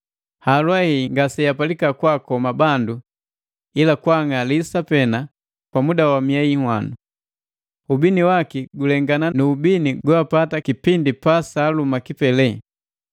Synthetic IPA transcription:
halwahiŋɡasɛjapalikakwakɔmabandu | ilakwaŋalisapɛna | kwamudawamiaihwa̰nu | ubiniwakiɡulɛŋɡananuːbiniɡuapatakipindipasaːlumakipɛlɛ

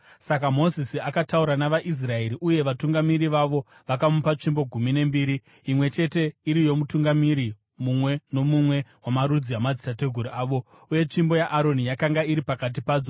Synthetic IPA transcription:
sakamo̞zisiakatauɾanaʋaʔis̬rae̞ɾiʔuje̞ʋatuŋɡamiɾiʋaʋo̞ | ʋakamupat͡ʂimbo̞ɡʱumine̞mbiːɾi | imwe̞t͡ʃe̞te̞iɾijo̞mutuŋɡamiɾi | mumwe̞no̞mumwe̞wamaɾud͡ziamad͡zitate̞ɡʱuɾuaːʋo̞ | uje̞t͡ʃimbo̞jaʔaɾo̞nijakaŋɡaiɾipakat̬ipaːd͡zo

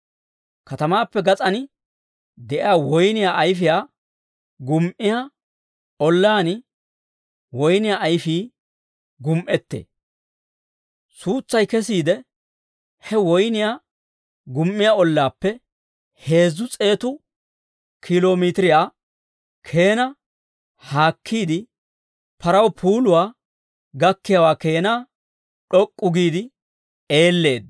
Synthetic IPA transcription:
kɐt̪ɐmaːpːɛɡɐt͡sʼɐnɪ | d̪ɛʔɪjaːwɔjnɪjaːjf̬ɪjaː | ɡʊmʔɪja | ɔlːaːnɪ | wɔjnɪjaːʔːjfiː | ɡʊmʔɛt̪ːḛː | suːt͡sːɐjkɛs̬iːd̪ɛ | hɛwɔjnɪjaː | ɡʊmʔːɪjaɔlːaːpːɛ | he̞ːzːʊt͡sʼe̞ːt̪ʊ | kʰɪloːmit̪ɪɾɪjaː | kʰe̞ːnɐ | haːkʰːiːd̪ɪ | pʰɐɾɐwpʰuːlʊwaː | ɡɐkːɪjawaːke̞ːnaː | ɗɔkʼːʊɡiːd̪ɪ | e̞ːlːe̞ːd̪

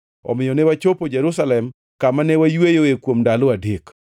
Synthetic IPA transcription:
ɔ̰mɪjɔnɛwat͡ʃopod͡ʒɛɾusalɛm | kamanɛwajwejoekwomdalɔadek

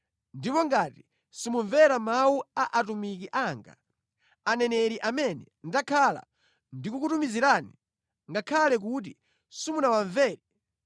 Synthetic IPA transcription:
ndipɔŋɡati | simuɱvɛɾamawuaʔatumik̬iʔaŋɡa̰ | anɛnɛɾiʔamɛnɛ | ndakʰala̰ | ndikuk̬utumiziɾaːni | ŋɡakʰalɛk̬ut̬i | simunawaɱvɛːɾɛ

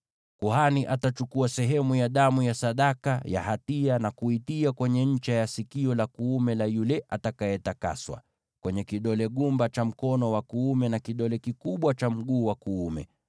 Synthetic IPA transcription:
kuhaniʔatat͡ʃukuasɛɦɛmujaɗamujasaɗakaja̰hatianakuitiakwɛɲɛɲ̩t͡ʃajasikiɔlakuumɛlajulɛʔatakajɛtaka̰swa̰ | kwɛɲɛkiɗɔlɛɠumbat͡ʃam̩kɔnɔwakuumɛnakiɗɔlɛkikuɓwat͡ʃam̩ɠuːwakuumɛ̰

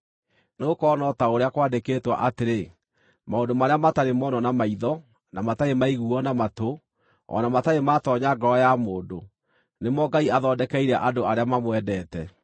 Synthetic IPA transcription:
neokɔːnɔtaoɾeakwaːdekeːtwa̰ʔateɾe | maondomaɾeamataɾemɔnɔnamaiðɔ | namataemaiɣuɔnamato | ɔ̰namataematɔɲaɡɔɾɔjamoːndo | nemɔɡaiaðɔːdɛkɛiɾɛʔadoaɾeamamwɛdɛtɛ

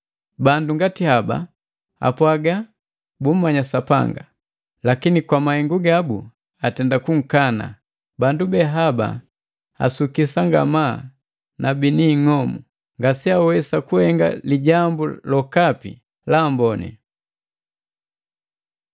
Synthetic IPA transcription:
banduŋɡatihaba̰ | a̰pwaɡa | bum̩mːaɲasapa̰ŋɡa | lakinikwamahɛŋɡuɡabṵ | atɛndakuŋ̩kana̰ | bandubɛɦaba̰ | a̰sukisaŋɡa̰maː | nabiniŋɔmu | ŋɡasiawɛsakuhɛŋɡa̰liɟambulɔkapḭ | laːmbɔnɛ̰

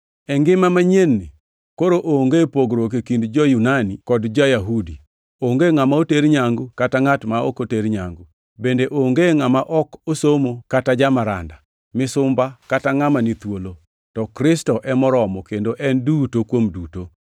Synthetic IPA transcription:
ɛŋɡɪmamaɲenːi | koɾoʔoŋɡepoɡɾok̬ekindd͡ʒɔjunanikɔdd͡ʒajaɦudi | oŋɡeŋamaoteɾɲaŋɡʊkataŋatmao̰koteɾɲaŋɡu | bendeʔoŋɡeŋamaʔɔkosomokatad͡ʒamaɾa̰nda | mɪsʊmbakataŋamanit̪wolo | tɔkɾɪstɔʔɛmɔɾɔmɔkendoʔɛndutokwomduto

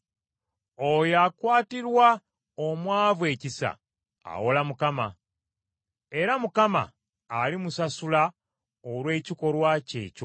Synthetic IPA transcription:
ojakwaːtiɾwa | omwaːvwe̞cisa̰ | a̰wolamukama | e̞ɾamukama̰ː | limusasula | olwe̞ːciko̞ɾwace̞̰ːco

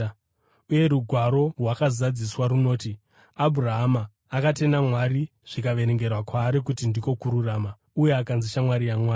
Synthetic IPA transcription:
uje̞ɾuɡʱwaɾo̞rwakazad͡ziswaɾuno̞ːti | abʱuraɦamaː | kate̞namwaɾi | ʐ̥ikaʋe̞ɾeŋɡe̞rwakwaːɾik̬utindiko̞kuɾuraːma | uje̞akanziʃamwaɾijamwaːi

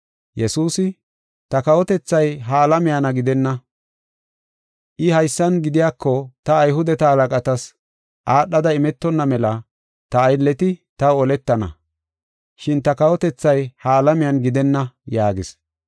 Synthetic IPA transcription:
jɛsuːsɪ | t̪ɐkɐwɔt̪ɛt͡sːɐjɦaːlɐmɪjanɐɡɪd̪ɛnːɐ | ʔɪhɐjsːɐnɡɪd̪ɪjaːkːɔt̪ɐːjɦʊd̪ɛt̪ɐhɐlɐkʼɐt̪ɐs | ʔaːɗːɐd̪ɐɪmɛt̪ːɔnːɐmɛlɐ | t̪ɐːjlːɛt̪ɪt̪ɐwɔlɛt̪ːɐnɐ̰ | ʃɪnt̪ɐkɐwɔt̪ɛt͡sːɐjhaːlɐmɪjɐnɡɪd̪ɛnːɐjaːɡɪs

